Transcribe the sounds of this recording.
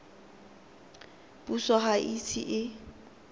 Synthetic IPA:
pʼusaɦaʔit͡sʰḭʔɪ

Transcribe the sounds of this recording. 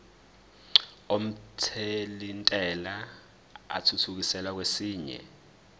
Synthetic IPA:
om̩tʰelintʼɛla | a̰tʰutʰuk̬isɛlwak̬wesiːɲɛ̰

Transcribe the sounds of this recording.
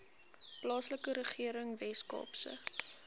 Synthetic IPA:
plɑːsləkəɾəχiəɾəŋvɛskɑ̰ːpsə̰χt

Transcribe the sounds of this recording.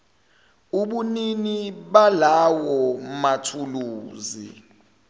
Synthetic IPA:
uɓuniniɓalawɔmatʰuluːzḭ

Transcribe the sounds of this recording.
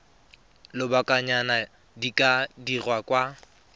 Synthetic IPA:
lɪbakʼaɲana | dikʼadirwakʼwa

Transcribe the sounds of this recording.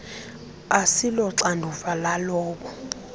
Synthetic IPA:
asilɔǀandʱufalalɔːk̬ɔ

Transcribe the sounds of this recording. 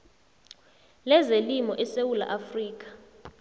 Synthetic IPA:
lɛzelimɔʔɛsewula̰ʔafriːk̬ʼḁ

